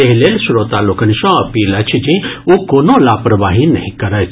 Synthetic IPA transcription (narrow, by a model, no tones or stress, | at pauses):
eɦleːlsɾoːt̪alokəniʃɔ̃ɐpiːlɐt͡ʃʰd͡ʒĩokoːnolaːpɾəʋaːɦinɐ̰ɦĩkɐɾət͡ʃʰ